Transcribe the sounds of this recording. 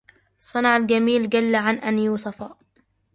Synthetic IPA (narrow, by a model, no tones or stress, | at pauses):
sˤːɑnɑʕalɡamiːlɡalːaʕanʔanjuːsɑfaː